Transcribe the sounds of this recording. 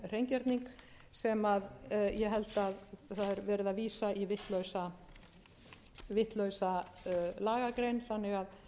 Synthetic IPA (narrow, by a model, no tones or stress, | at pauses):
r̥ejɲcɛɾt̪niŋk | sɛmaðjɛɦɛlt̪aðθaðɛɾvɛːɾɪðaviːsaivɪht̪lœɥsa | vɪht̪lœɥsalaːɣakɾejnθanːɪɣað